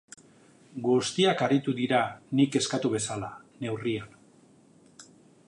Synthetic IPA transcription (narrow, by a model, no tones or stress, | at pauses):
ɡust̪iakarit̪uðiɾanike̞skat̪uβ̞e̞sala | ne̞wrian